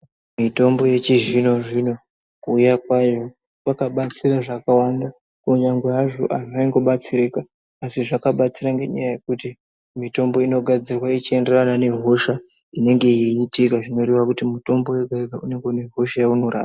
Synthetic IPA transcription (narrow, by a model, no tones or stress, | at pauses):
mito̞mbo̞je̞t͡ʃiʐino̞ʐino̞ | kuːjakwajo̞ | kwakaɓat͡siraʐakawanda | kuɲaŋɡweaʐo̞̰ʔanaiŋɡo̞ɓat͡sirikaː | siʐakaɓat͡siɾaŋɡe̞ɲa̰jaje̞kuti | mito̞mbo̞ino̞ɡʱad͡zirwait͡ʃie̞nde̞ranane̞ɦo̞ʃa | ine̞ŋɡe̞jiːtikaʐino̞ɾeʋakutimuto̞mbo̞jeɡʱaeɡʱaune̞ŋɡeune̞ɦo̞ʃajauno̞ra̰ːra